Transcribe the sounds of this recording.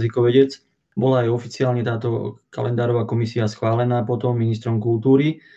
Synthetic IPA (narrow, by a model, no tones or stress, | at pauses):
zikɔʋɛɟɛd͡z | bɔlaːjɔfit͡siaːlɲɛt̪aːt̪ɔ̰ka̰lɛnd̪aːɾɔʋaːkɔmisiasxʋaːlɛnaːpɔt̪ɔmːinist̪ɾɔmkult̪uːɾi